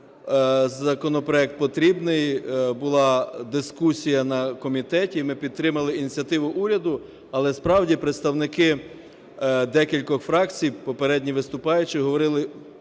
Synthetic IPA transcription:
zɐkɔnɔpɾɔɛk̚t̪̚pɔt̪ɾʲibnɪjbʊlˠɑd̪ɪskusʲijɐnɐkɔmʲit̪ɛtʲimɪpʲid̪̚t̪ɾɪmɐlˠɪinʲit͡sʲɐt̪ɪʋʊʔuɾʲɐd̪ʊ | ɐlˠɛspɾɑwdʲipɾet̪st̪ɐwnɪkɪ | d̪ɛkʲilʲkɔxfɾɑkt͡sʲijpɔpeɾɛdʲnʲiʋɪst̪ʊpɑjʊt͡ʃɪɦɔʋɔɾɪlˠɪ

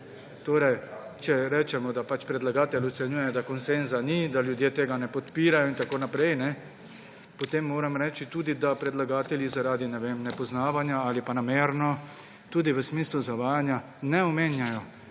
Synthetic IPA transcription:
t̪oːɾɛjt͡ʃɛɾɛːt͡ʃɛmɔd̪apat͡ʃpɾɛd̪laɡaːt̪ɛlɔt̪sɛnjuːjɛd̪akɔnsenzanid̪aljud̪jeːt̪eːɡanɛpɔt̪piːɾajɔint̪akoːnapɾɛjnɛ | pɔt̪eːmːoːɾɛmɾɛːt͡ʃit̪uːd̪id̪apɾɛd̪laɡaːt̪ɛljizaɾaːd̪inɛʋemnɛpɔznaːʋanjaaːlipanameːɾnɔ | t̪uːd̪iʋəsmiːsluzaʋaːjanja | nɛɔmeːnjajɔ

